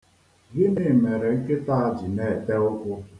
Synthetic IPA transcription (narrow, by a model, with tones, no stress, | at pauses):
ɣɪ˦nɪ˨me˨ɾe˨ŋ̩˦ke˦ta˦˨a˨d͡ʒɪ˨ne˨te˦ʊ˦kʷʊ˦